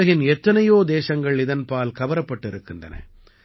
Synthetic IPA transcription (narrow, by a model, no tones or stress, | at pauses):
ɐɣɪnɛt̪ːɐnɐjoːd̪eːʃɐŋɡɐɭɪðɐnpaːlkɐʋɐɾɐpːɐʈːɪɾɯkːɯndrɐ̰nɐ̰